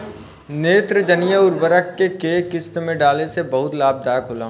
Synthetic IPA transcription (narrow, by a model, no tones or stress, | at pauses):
neːt̪ɾəd͡ʒɐnijəʊɾbəɾəkːekeːkɪst̪mẽɖaːlesebɐɦʊt̪laːb̚d̪aːkʰoːla̰ːɦ